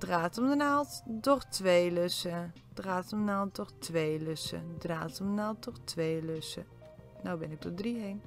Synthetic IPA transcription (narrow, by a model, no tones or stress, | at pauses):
d̥raːtɔmdənalˠtdɔxtʋeːløsə | d̥raːtɔmənaːlˠt̚dɔχtʋeːløsə̰draːtɔmdənaːlˠt̚dɔxtʰʋeːløsə̰ | nawbɪnɪk̚dɔdriɦeːn